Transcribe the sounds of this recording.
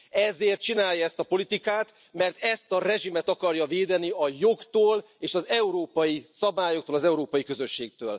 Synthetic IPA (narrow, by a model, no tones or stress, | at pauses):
ɛzeːrt̪̚t͡ʃinaːjɒɛst̪ɒpo̞lit̪ikaːt̪ | mɛrt̪ɛst̪ɒrɛʒimɛt̪ɒkɒrjɒveːd̪ɛniɒjo̞ɡt̪oːl | eːʃɒzɛuɾoːpɒjisɒbaːjokt̪oːlɒzɛuɾoːpɒjikøzø̞ʃːeːk̚t̪øːl